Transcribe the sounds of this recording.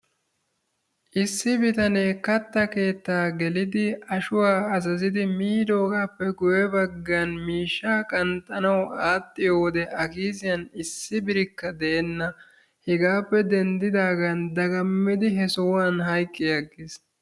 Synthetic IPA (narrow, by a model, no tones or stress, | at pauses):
ʔɪsːɪbɪt̪ɐneːkɐt̪ːɐke̞ːt̪ːaːɡɛlɪd̪ɪɐʃʊwaːɐzɐzɪd̪ɪmiːd̪o̞ːɡaːpːɛɡʊjɛbɐɡːanmiːʃːaːkʼɐnt̪ʼɐnɐwaːt̪ʼːɪjo̞ːd̪ɛʔɐkiːzɪjɐnɪsːɪbɪɾɪkːɐd̪ɛʔɛnːɐ | hɛɡaːpːɛd̪ɛnd̪ɪd̪aːɡɐnd̪ɐɡɐmːɪd̪ɪɦɛsɔwaːnɦɐjkʼːɪjɐɡːɪs